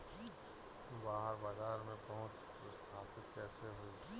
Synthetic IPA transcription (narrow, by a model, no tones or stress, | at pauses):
baːɦəɾbaːzaːɾmẽpɐɦʊt͡ʃ | st̪ʰaːpɪt̪kɛːseɦʊi